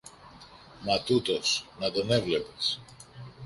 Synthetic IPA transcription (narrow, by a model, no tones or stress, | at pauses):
mɐt̪ut̪o̞snɐt̪one̞vle̞pes